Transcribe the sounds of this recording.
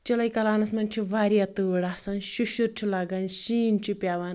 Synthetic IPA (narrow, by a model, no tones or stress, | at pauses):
t͡ʃɐlɐjkɐlaːnɐsmɐnt͡ʃʰiʋaːɾijat̪ɨɽasɐnʃuʃuɾt͡ʃʰilaːɡɐnʃiːnt͡ʃʰipʲjaːʋan